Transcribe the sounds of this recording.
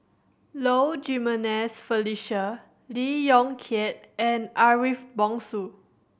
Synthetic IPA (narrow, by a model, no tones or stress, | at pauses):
lod͡ʒimənɛsfəliʃə | lijɔ̃ŋkʰɛt̚ɛ̃nʔaɹifbɔ̃ŋsu